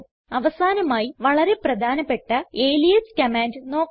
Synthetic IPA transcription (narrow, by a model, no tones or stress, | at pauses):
ɐʋɐsaːnɐmaːjiʋɐɭɐɾe̞prɐd̪ʱaːnɐpːe̞ʈːɐeːlijɐskɐmaːndɨno̞ːk